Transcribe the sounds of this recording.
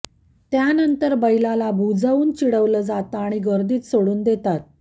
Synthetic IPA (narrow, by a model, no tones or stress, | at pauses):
t̪janənt̪əɾbəjlalabʱud͡zəuːnt͡ɕiɽəʋləd͡zat̪aːɽ̃iɡəɾd̪iːt̪soɽuːnd̪et̪at̪̚